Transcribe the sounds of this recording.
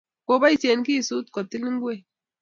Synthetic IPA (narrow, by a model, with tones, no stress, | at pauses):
ko˨ba˦i˨se˨nki˦˨su˦t̚kɔ˨ti˦lŋ˦ɡwe˦˨